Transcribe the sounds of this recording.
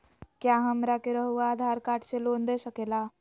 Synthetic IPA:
kjaːɦɐmɾakeɾəɦuaːd̪ʱaːɾkaːʈʰseloːnd̪esəkeːlaː

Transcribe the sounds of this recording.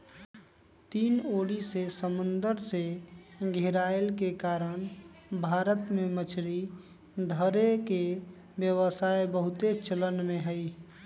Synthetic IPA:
t̪iːnoːɽisesəmʊnd̪əɾseɡʱeɾaelkekaːɾəɽ̃bʱaːɾət̪mẽmət͡ʃʰɾi | d̪ʱəɾeke | bjəwəsaebəɦʊt̪et͡ʃələnmẽɦəj

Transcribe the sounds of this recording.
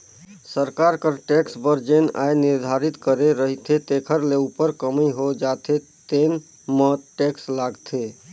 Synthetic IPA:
səɾkaɾkəɾʈeksbəɾd͡ʒena̰jniɾd̪ʱaɾit̪kəɾeɾəɦit̪ʰet̪ekʰəɾleupəɾkəmeɦod͡ʒat̪ʰe | t̪en | mət̪ʈekslaɡt̪ʰe

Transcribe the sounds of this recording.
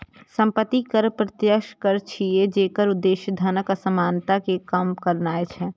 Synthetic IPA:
sə̃mpət̪ːikəɾpɾət̪jəkʃkəɾt͡ʃʰied͡ʒeːkəɾʊd̪ːeːʃjəd̪ʱənəkəsəmaːnt̪akekəmkəɾnaːet͡ʃʰɛ

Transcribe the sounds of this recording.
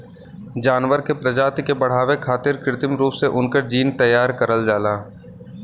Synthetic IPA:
d͡ʒaːnʋəɾkepɾɐd͡ʒaːt̪kebɐɽ̤aːʋekʰaːt̪ɪɾkɾɪt̪ɪmɾuːpseʔʊnkəɾd͡ʒiːnt̪əjːaːɾkɐɾəld͡ʒaːlaː

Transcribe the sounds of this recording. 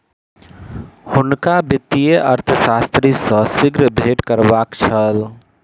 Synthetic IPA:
hʊnkabɪt̪ːijeʔəɾt̪ʰəsaːst̪ɾisə̃sɪɡɾəbʱeːʈkəɾbaːkt͡ʃʰəl

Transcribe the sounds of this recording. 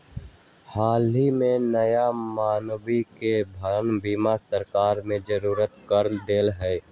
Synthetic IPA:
haːlɦimẽnəjamaːnbikebʱəɾnbimasəɾkaːɾmẽd͡ʒəɾuːɾət̪kəɾd̪eːlɦɛː

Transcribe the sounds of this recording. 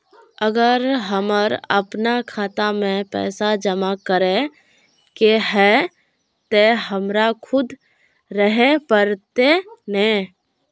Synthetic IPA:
əɡəɾɦəməɾə̰pnakʰaːt̪amẽpɛ̰ːsad͡ʒəmakəɾe | keɦɛ | t̪eɦəmɾakʰʊd̪ | ɾəɦepəɾt̪enẽ

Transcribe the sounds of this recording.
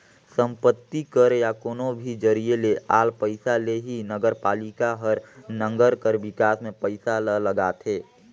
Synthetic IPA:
sə̃mpət̪ːikəɾjakoːnobʱid͡ʒəɾielea̰ːlpəɪsaleɦinəɡəɾpaːlikaɦəɾnə̃ŋɡəɾkəɾbɪkaːsmẽpəɪsalələɡaːt̪ɦeː

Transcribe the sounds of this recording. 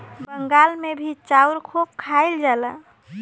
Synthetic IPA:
bəŋɡalmebʱit͡ʃauɾkʰop̚kʰaɪld͡ʒalə

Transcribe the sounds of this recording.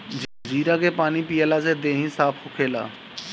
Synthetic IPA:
d͡ʒd͡ʒiːɾakepaːnipijəlased̪eːɦĩsaːpʰɦʊkʰeːla̰ː

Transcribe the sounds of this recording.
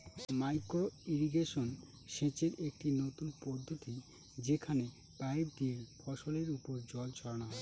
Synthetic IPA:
majkɾoiɾiɡeʃon | ʃẽt͡ɕeɾek̚ʈinot̪unpɔd̪ʱːot̪i | d͡ʑekʰane | bajb̚d̪iefʰɔʃoleɾupoɾd͡ʑɔlt͡ɕʰɔɾañaɦ

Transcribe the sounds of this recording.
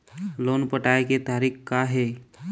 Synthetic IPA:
lonpəʈajket̪aɾiːkkaɦe

